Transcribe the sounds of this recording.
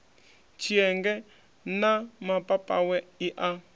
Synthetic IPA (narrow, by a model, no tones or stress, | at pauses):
t͡ʃʰiɛŋɡɛ | namapʼapʼa̰wɛiʔa